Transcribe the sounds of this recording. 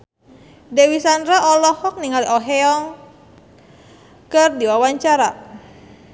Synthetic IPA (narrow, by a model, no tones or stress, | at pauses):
dewisandɾaʔɔlɔhɔk̚niŋaliʔɔɦɛɔŋ | kərdiwawaɲt͡ʃaɾa